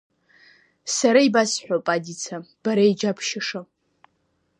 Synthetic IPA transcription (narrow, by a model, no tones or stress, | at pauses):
saɾaibasħʷᶣopʼadʲit͡sʰab̥aɾaid͡ʒapʰʃɪʂa